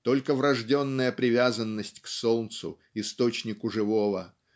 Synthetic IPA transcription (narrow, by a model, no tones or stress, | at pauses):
t̪o̞lʲkəvɾɐʐdʲo̞nːəjəpɾʲɪvʲazənːəsʲtʲksolˠnt̪sʊ̰ | ɪst̪o̞t͡ɕnʲɪkʊʐɨvo̞və